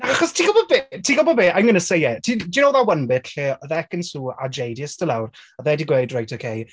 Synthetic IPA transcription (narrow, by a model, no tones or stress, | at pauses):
aχɔstʰiːɡɔlˠbɔbeːtʰiːɡɔbɔbeːʔajmɡənəsejɛtʰidinowðawənbɪtɬeːəðɛkənsuːa̰d͡ʒejdiəstəlˠawraðɛdiɡweːdrajtʰokʰej